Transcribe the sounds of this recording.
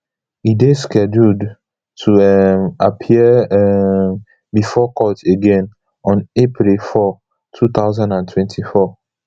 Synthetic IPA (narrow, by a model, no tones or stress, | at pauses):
ideskɛdud | tʰuɛmapʰiɛɛ | bifɔkʰɔteɡɛ̃n | ɔ̃nepʰɹilfɔ | tʰut̪aʊzãndãntʰwɛ̃ntʰifɔ